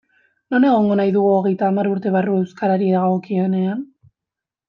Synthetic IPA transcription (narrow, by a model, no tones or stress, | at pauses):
no̞ne̞ɣ̞o̞ŋɡo̞najðuɣ̞uo̞ɣe̞jt̪aːmaɾuɾt̪e̞β̞arue̞wskaɾaɾieɣaɣokiene̞an